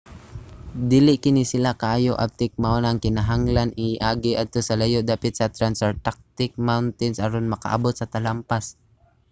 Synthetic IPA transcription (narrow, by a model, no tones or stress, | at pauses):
d̪iːlɪʔkɪnɪsɪlakɐʔaːjoʔa̰b̚t̪ɪk̚maʔonaŋkɪnaɦaŋlanʔɪʔaːɡɪʔad̪̚t̪osɐlajoʔd̪aːpɪt̪̚sɐt̪ɾansɛɹt̪ak̚t̪ɪk̚mawnt̪ɪnsʔaɾonmɐka̰ʔa̰bot̪sɐt̪ɐlampas